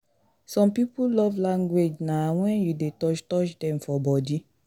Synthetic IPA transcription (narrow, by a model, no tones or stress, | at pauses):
sɔ̃mpipulɔvlãŋɡwed͡ʒnawɛ̃njudetɔt͡ʃtɔt͡ʃdɛ̃mfɔbɔdi